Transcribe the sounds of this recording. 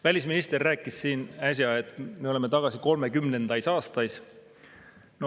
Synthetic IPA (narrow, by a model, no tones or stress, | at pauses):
vælʲisminist̪e̞rːæːkːˑissiːnæs̬ʲjɑe̞t̪ːˑme̞o̞leme̞t̪ɑɡ̥ɑsiko̞lme̞kymne̞nd̪ɑjsɑːst̪ɑjs | no